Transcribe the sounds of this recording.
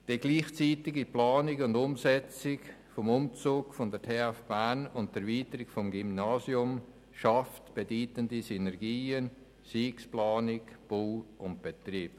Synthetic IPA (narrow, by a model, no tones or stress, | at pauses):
d̥iɡliːχt͡siːtɪɡiplɑːnɪkʊndʊmsɛt͡sɪk | fɔmʊmt͡suːɡfɔndəɾtʰeːafb̥ænʊntɛɾviːtəɾɪkfɔmɡimnaːziʊm | ʃɑftb̥ediːtəndisynɛɾɡiːən | siːksplɑːnɪkb̥oːʊnt̚b̥et̪riːp